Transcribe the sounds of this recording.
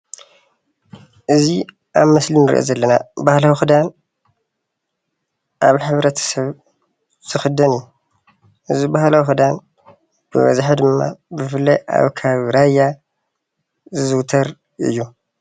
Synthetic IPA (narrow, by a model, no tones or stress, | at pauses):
ʔɨzi | ʔaβmɐslinɨɾḭʔo̰zɐlːɐnabahlawixɨd̪an | ʔaβħɨβɾɐt̪ʰɐ̥sɐβ | z̥ɨxɨd̪ɐni | ʔɨzibahlawixɨd̪an | b̥ɨβɐ̰zħad̪ɨmːa̰bɨfɨlːɐjʔa̰βkʰaβɾajːa | zɨzɨwt̪ʰɐɾ | ʔɨ̰jːu